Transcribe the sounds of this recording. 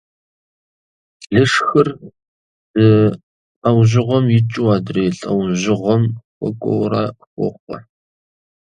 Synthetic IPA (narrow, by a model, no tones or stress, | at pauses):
ɮɨʂxɨr | d̥ɨ | ɐwʑɪʁʷɔmjɪt͡ʃʼuwaːdreːɬʼɐwʒʑɪʁʷɔmxʷʼɔ̰kʷʼɔ̰wraːxʷɔ̰χʷɔ̰